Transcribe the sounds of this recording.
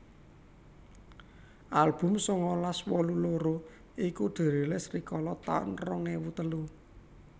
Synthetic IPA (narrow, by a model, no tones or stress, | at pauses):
ʔalb̥ʊ̤msɔŋɔlaswɔluloɾo | ikuɖ̪̥e̤ɾe̤lesrikɔlɔt̪a̰ʊ̰nrɔŋnewut̪əlu